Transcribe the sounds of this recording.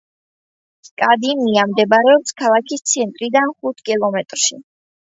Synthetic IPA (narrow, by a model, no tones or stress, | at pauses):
skʼad̪imiamd̪ɛbɾɛɔpskʰalˠakʰist̪sʰɛnt̪ʼɾid̪anχut̪ʰkʼilˠɔmɛt̪ʼɾʃi